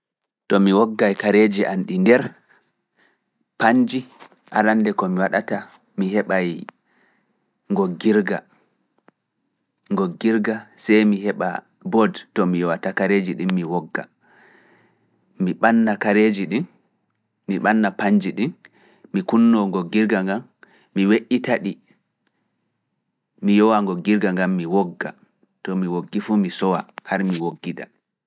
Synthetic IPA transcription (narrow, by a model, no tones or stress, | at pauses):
tɔmiwɔɡːajkaɾed͡ʒiʔanɗindɛɾ | paɲd͡ʒi | ʔalandɛkɔmiwaɗata | miɦɛɓaj | ŋɡoɡːiɾɡa̰ | ŋɡoɡːiɾɡasɛjmiɦɛɓa̰ | bɔdtɔmiwatakaɾed͡ʒiɗinmiwɔɡːa̰ | miɓanːakaɾed͡ʒiɗinː | iɓanːapaɲd͡ʒiɗin | mikunːɔŋɡɔɡːiɾɡaŋɡamː | iweʔːitaɗi | mijɔwaŋɡɔɡiɾɡaŋɡamːiwɔɡːa̰ | tɔmiwoɡːifumisɔwahaɾmiwoɡːida̰